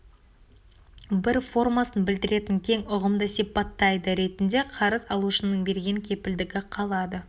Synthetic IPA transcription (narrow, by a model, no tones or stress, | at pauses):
bɪɾfo̞rmasənbɪld̪ɪɾe̞t̪ɪŋkʲʰe̞ŋʊʁəmd̪əsijpɑt̪ːɑjd̪əɾe̞t̪ɪnd̪e̞qʰɑɾəzɑlˠuʃənəɴbe̞ɾɡʲe̞ŋkʲʰe̞pɪld̪ɪɡʲɪqʰɑlˠɑd̪ə